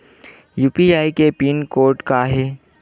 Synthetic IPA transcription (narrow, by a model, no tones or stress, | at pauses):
juːpiaːikepiːnkoːɾʈkaɦeː